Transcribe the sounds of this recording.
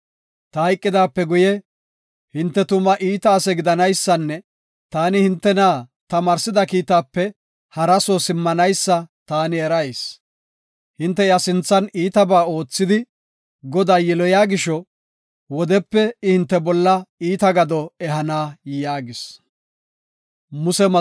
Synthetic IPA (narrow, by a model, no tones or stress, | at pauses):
t̪ɐɐjkʼːɪd̪aːpːɛɡʊjɛ | hɪnt̪ːɛt̪ʊmɐʔiːt̪aːsɛɡɪd̪ɐnɐjsːɐnːɛ | t̪aːnɪhɪnt̪ːɛnaːt̪ɐmɐːɾsɪd̪ɐkiːt̪aːpːɛ | hɐɾɐsɔsɪmːɐnɐjsːɐt̪aːnɪɛɾɐjs | hɪnt̪ːɛjɐsɪnt͡sːɐniːt̪ɐbaːo̞ːt͡sːɪd̪ɪ | ɡɔd̪aːjɛlɔjaːɡɪʃɔ | wɔd̪ɛpːɛɪhɪnt̪ːɛbɔlːɐiːt̪ɐɡɐd̪ɔɛɦɐnaːjjaːɡɪs | mʊsɛmɐ